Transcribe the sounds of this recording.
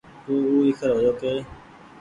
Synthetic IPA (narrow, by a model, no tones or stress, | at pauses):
t̪uːuːɪkʰəɾɦoːjoːkeː